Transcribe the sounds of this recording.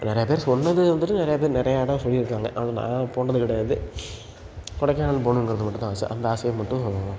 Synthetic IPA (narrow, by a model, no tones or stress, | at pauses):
nɪɾɐjɐpeːɾsɔnːɐðɯʋɐnd̪ɯʈːɯnɪɾɐjɐpeːɾnɪɾɐjaɪɽɐ̃msɔlːɪɪɾɯkːaːŋɡɐʔɐʋnnã̰ːpoːɳɐðɯkɪɽɐɐnd̪ɯ | kɔɽɐkːaːɐlpoːnɯ̃ɛŋɡɯɾɐðɯmɐʈːɯ̃t̪ãːsɯ̰ʔɐ̰nd̪ɐaːsɐjɐmːɐʈːɯ̃